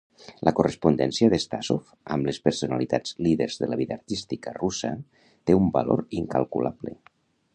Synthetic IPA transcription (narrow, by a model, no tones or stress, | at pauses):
lʔəkurespund̪ɛnsiəðest̪asof | əmlespəɾsunalit̪ad͡zliðəɾzðəlaβiðaːɾt̪ist̪ikərusə | t̪eumbalo̰ɾiŋkalˠkṵlaβlḛ